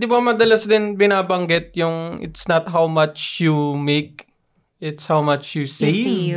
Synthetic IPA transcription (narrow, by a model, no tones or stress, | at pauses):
d̪ɪbɐmɐd̪ɐlɐsd̪ɪnbɪnaːbɐŋɡɪt̪̚jʊŋʔɪ̰t̪snɐt̪̚ɦawmɐt͡ʃjumek̚ | ɪt̪shawmɐt͡ʃjusi